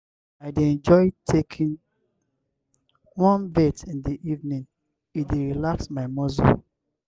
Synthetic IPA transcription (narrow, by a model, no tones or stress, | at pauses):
aɪdeɛ̃nd͡ʒɔɪtʰekʰĩn | wɔ̃nbetĩndiʔivnĩŋ | ideɹilaksmaɪmɔzo̰